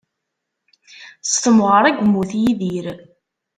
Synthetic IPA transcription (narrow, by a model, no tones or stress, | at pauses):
st̪əmʁəɾˤæɡʷmːuθjiðiɾ